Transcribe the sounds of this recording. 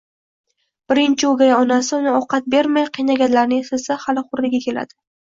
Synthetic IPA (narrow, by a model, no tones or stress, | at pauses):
b̥ɪɾɪnt͡ʃʰɪoɡʲajaɒnasɪʊnɪɒqɑt̪̚be̞ɾmajqʰijnaɡʲanlaɾnɪsɪsahalɪχʊɾlɪɡʲakʲʰe̞la̰d̪̥ɪ